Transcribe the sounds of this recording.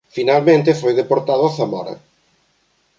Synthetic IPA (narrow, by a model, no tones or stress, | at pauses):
finalmẽnt̪ɪfojðepoɾt̪aðʊaθamaɾɐ̰